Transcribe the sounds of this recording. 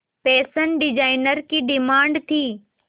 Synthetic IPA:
pɛːsənɖɪd͡ʑaːɪnəɾkiɖɪmaːɳɖt̪ʰiː

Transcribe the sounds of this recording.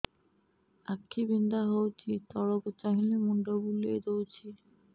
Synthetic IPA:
akʰːibind̪aɦowt͡ɕʰit̪ɔɽobt͡ɕːaɦilemuɳɖobulejd̪owt͡ɕʰi

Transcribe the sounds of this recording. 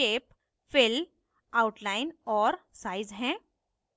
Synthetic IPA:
eːp | fɪl | aʊʈlaːɪnɔːɾsaːɪzɦɛ̃ː

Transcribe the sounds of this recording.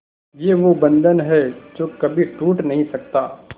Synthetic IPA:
jeʋobɐ̃nd̪ənɦɛd͡ʒoːkɐbʱiʈuːʈnɐɦĩsɐk̚t̪aː

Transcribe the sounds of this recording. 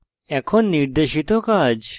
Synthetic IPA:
ɛkʰonːiɾd̪eʃit̪ɔkad͡ʑ

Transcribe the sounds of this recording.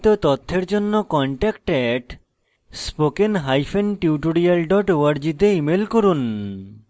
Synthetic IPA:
t̪ot̪ɔt̪ʰːeɾd͡ʑonːokɔɳʈɛkʈɛʈ | spokenɦajfʰenʈiuʈoɽialɖɔʈoaɾd͡ʑid̪eimelkoɾun

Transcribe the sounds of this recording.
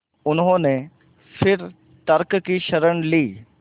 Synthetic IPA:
ʊnɦõːne | fɪɾ | t̪ɐɾkkiʃɐɾəɽ̃liː

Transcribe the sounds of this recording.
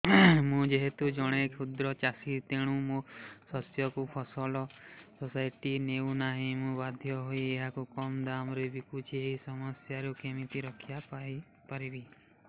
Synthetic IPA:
mũd͡ʒeɦet̪ud͡ʒɔɽ̃ekʰud̪ɾɔt͡ʃasit̪eɽ̃ũmusɔsjɔkupʰɔsɔlɔsɔsajʈineunaɦĩmũbad̪ʱjɔɦoieɦakukɔmd̪amɾebikut͡ʃʰieɦisɔmɔsjaɾukemit̪iɾɔkʰijapai | paɾibi

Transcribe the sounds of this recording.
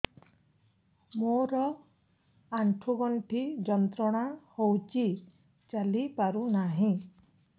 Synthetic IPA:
moɾɔ | aɳʈʰuɡɔɳʈʰid͡ʒɔnt̪ɾɔɽ̃ahowt͡ʃi | t͡ʃalipaɾunaɦĩ

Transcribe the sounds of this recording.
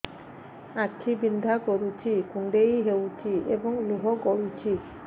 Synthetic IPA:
akʰːibind̪ʱakɔɾut͡ʃʰikuɳɖejɦewt͡ʃʰiebɔŋluɦɔkɔɽut͡ʃʰi

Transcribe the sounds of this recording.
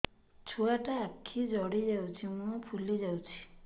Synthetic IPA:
t͡ʃʰuaʈaːkʰːid͡ʒɔɽid͡ʒawt͡ʃʰimũɔpʰulid͡ʒawt͡ʃʰi̥

